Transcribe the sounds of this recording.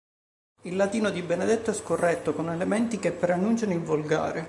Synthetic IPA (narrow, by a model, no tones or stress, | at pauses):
ilːat̪iːnod̪ibened̪ɛt̪ːoɛskorːɛt̪ːokonelemɛnt̪ik̟epːeɾanːunt͡ʃanoiɱvolɡa̰ːɾe